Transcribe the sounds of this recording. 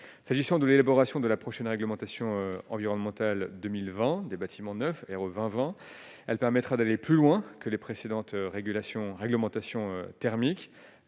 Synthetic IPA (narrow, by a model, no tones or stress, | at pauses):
saʒisɑ̃d̪əlelabɔʁasjɔ̃d̪əlapχɔʃɛnʁɛɡləmɑ̃t̪asjɔ̃øɑ̰̃viʁɔnmɑ̃t̪ald̪ømilvɛ̃d̪ebat̪ʰimɑ̃nœfeʁovɛ̃vɛ̃ | ɛlpɛʁmɛt̪χad̪aleplylwɛ̃kəlepχesed̪ɑ̃t̪ʁeɡylasjɔ̃ʁɛɡləmɑ̃t̪asjɔ̃øt̪ɛʁmik